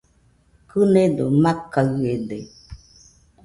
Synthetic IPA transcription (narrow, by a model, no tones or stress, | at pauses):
kɨned̪omakaɯede